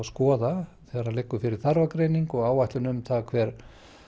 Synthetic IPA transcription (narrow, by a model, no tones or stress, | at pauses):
skɔːðaθɛːɣɾalejkːʏfɪɾɪɾ̥θaɾvakɾeːjniŋkɔɣaːwvajht̪lʏnʏmθakʰvɛːɾ̥